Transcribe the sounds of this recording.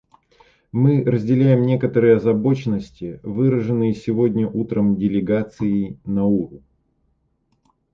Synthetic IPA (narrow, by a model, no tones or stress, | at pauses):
mɨrəzʲdʲɪlʲæjɪmnʲe̞kət̪əɾɨjəɐzɐbo̞t͡ɕɪnːəsʲtʲɪvɨɾəʐɨnːɨjəsʲɪvo̞dʲnʲəʔut̪ɾəmdʲɪlʲɪɡat̪sɨɪnɐuɾʊ